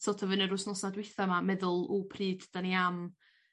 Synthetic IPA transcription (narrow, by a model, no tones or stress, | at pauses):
soːtʰəvənəɾʊsnɔsadwɪθamamɛðʊlˠuːpʰriːd̥d̥aniam